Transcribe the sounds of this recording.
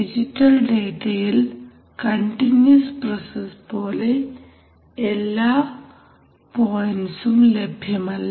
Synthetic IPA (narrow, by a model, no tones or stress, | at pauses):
id͡ʒiʈɐlɖeʈel | kəɳʈinjuspɾɔsesbɔːle | elːa | pɔnsumlebʱemalː